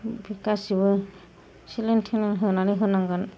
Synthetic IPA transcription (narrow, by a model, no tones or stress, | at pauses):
bʱikasibɯ | silentʰinɯnɦɯnaniɦɯnaŋɡɯn